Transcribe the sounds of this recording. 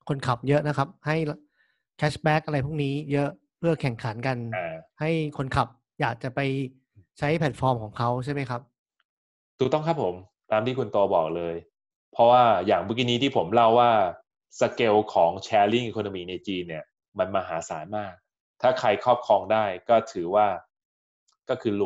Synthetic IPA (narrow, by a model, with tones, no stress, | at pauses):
kʰo˧nkʰa˨˩p̚jɤ˦˥ʔna˦˥kʰa˦˥p̚ha˥˩ja | kʰɛː˦˥sbɛː˦˥k̚ʔa˧ɾa˧jpʰu˥˩niː˦˥jɤ˦˥ʔ | pʰɯ˥˩ɐkʰɛ˨˩ŋkʰa˩˦nka˧naː˧˩ha˥˩jkʰo˧nkʰa˨˩p̚ | jaː˨˩k̚t͡ɕa˨˩pa˧j | t͡ɕʰa˦˥jpʰlɛ˨˩t̪̚fɔː˧mkʰɔː˩˦ŋkʰa˦˥wt͡ɕʰa˥˩jma˥jkʰa˦˥p̚ | d̪̥uː˨˧˩t̪ɔ˥˩kʰa˦˥pʰːo˩˦m | t̪aː˧mt̪iː˥˩ku˧nt̪oː˧bɔː˨˩k̚lɤː˧j | pʰɾɔ˦˥waː˥˩jaː˨˩ŋbu˦˩k̬i˧ni˦˥t̪ʰi˥˩pʰo˩˦mla˥˩wːaː˥˩ | sa˧ke˧wkʰɔː˩˦ŋt͡ɕʰɛː˧li˥˩ŋʔi˧kʰo˧no˧miː˧na˧jt͡ɕiː˧nːi˥˩ɐ | ma˧nmaː˧ɦaː˩˦saː˩˦nmaː˥˩k̚ | t̪ʰaː˥˩kʰa˧jkʰɔː˥˩p̚kʰɔː˧ŋdaː˥˩jkɔː˥˩t̪ʰɯː˩˦waː˥˩ | kɔː˥˩kʰɯː˧lu˨˩